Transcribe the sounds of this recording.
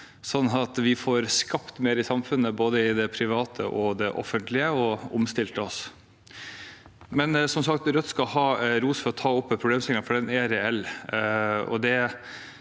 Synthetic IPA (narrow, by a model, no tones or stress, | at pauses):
sɔnːɑt̪ʋɪfɔɾskɑpt̪meːɾɪsɑmfʉnːəboːd̪əɪd̪ɛpʰɾɪʋɑːt̪ʰə̰ʔɔd̪ɛʔɔ̰fːənt̪lɪəɔʊmst̪ɪlt̪əɔs | mɛnsɔmsɑkt̪ɾœt̪ːskɑlhɑːɾuːsfɔɾɔt̪ʰɑːʊpːpʰɾʊbleːmsɛŋnəfɔɖɛnɛɾɛɛl | ɔ̰d̪ɛ